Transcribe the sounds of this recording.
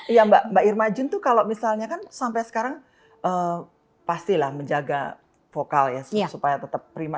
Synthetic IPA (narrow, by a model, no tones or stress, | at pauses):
jambaʔmbaʔirmad͡ʒʊnt̪ʊkalomisalɲakansampajsə̥kaɾaŋ | ʔəː | past̪ilahməɲd͡ʒaɡa̰ | fokaljasupajat̪ət̪əpːɾima